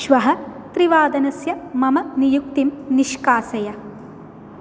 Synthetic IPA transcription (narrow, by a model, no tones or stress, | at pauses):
ʃʋɐɦɐt̪ɾiʋaːd̪ɐnɐsjɐmɐmɐnijuk̚t̪imniʃkaːsɐjɐ